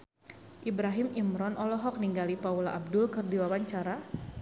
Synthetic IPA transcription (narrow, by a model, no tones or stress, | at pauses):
ʔibɾaɦimimɾɔnʔɔlɔɦɔk̚niŋɡalipaulaʔab̚dʊlkɨrdiwawaɲt͡ʃaɾa